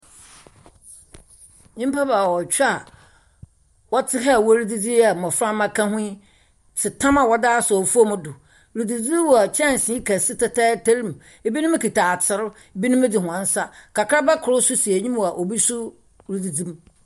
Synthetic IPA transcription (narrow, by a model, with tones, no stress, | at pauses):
ɲĩ˦m˦pʰa˦ba˨wɔ˨t͡ɕᶣa˨ | wɔ˦tʰɪ˦ɦa˦˨wɔ˦ɾi˦di˦d͡zi˦a˨mɔ̃˨fɾã˦mã˦kʰã˦ɦʊ̃˦i˦ | t͡sʰɪ˨tʰã˦ma˨wɔ˦daː˦sɔ˨fu˦o˦mʊ̃˦dʊ˨ | ɾi˨du˨d͡zi˦wɔ˨a˨t͡ɕʰɛ̃˦˨n˨sɪ̃˨˦i˦kʰɛ˨sɪ˦tʰɛ˦tʰɛː˦tʰe˦ɾi˦m˨ | e˨bi˦nʊ̃˦m˦kʰi˨tʰaː˨t͡sʰɪ˨ɾʊ˦ | e˨bi˦nʊ̃˦m˦dɪ˨hʊ̃˨ã˨n˦sa˦kʰa˨kʰɾa˦bɛ˦kʰʊ˨ɾʊ˦sʊ˦si˨e˨ɲĩ˦mwa˨ʔo˨bi˦sʊ˦ | ɾi˨du˨d͡zi˦m